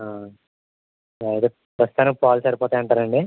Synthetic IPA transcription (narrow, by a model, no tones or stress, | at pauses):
aː | ɐjt̪e | pɾɐst̪ut̪ɐːnupaːlsɐɾipɔːt̪aːjɐɳʈaːɾɐɳɖi